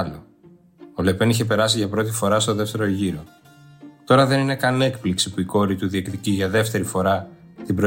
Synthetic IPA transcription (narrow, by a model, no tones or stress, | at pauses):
lo | ole̞pe̞niçe̞p̬e̞ɾɐsiʝɐpɾo̞t̪i̥fo̞ɾɐst̪o̞ðe̞ft̪e̞ɾo̞ʝiɾo̞ | t̪o̞ɾɐðe̞nine̞kɐne̞kpliksipuiko̞ɾit̪uðiekt̪iciʝɐðe̞ft̪e̞ɾifo̞ɾɐt̪ibɾo